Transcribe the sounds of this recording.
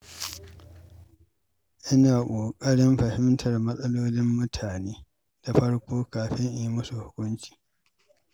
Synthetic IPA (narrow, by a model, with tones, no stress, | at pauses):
ʔɪ˦naː˨kʷʼoː˨kʼɐ˦ɽɪ˦mɸɐ˨hɪ˦mtʰɐ˨rmɐ˦sʼɐ˦loː˦lɪ˦mːʊ˦tʰaː˨neː˦ | d̥a˨ɸɐ˦ɽkʷoː˦kaː˨ɸɪ˦ŋʔa˨ji˦mʊ˦su˨hʊ˦kʷʊ˦nt͡ʃi̥ː˨